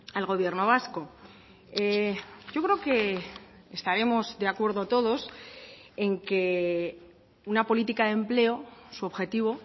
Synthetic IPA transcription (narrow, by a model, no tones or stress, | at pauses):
alɣo̞β̞je̞ɾno̞β̞asko̞ | eɟ͡ʝo̞kɾe̞oke̞ː | st̪aɾe̞mo̞zd̪eakwe̞ɾðoat̪o̞ðo̞s | e̞ŋke | unapo̞lit̪ikaðe̞mple̞o̞suoβxe̞t̪iβ̞o̞